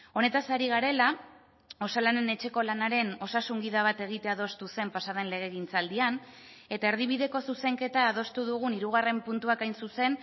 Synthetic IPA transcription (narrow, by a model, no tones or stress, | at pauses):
o̞ne̞t̪asaɾiɣaɾe̞la | o̞salane̞ne̞t͡ʃe̞ko̞lanaɾe̞no̞sasuŋɡiðaβ̞at̪e̞ɣ̞it̪e̞að̞o̞st̪use̞mpasað̞e̞nle̞ɣ̞e̞ɣint͡sald̪ian | e̞t̪ae̞ɾð̞iβiðe̞ko̞suse̞ŋke̞t̪aːðo̞st̪uðuɣ̞uniɾuɣ̞are̞mpunt̪uakajnsuse̞n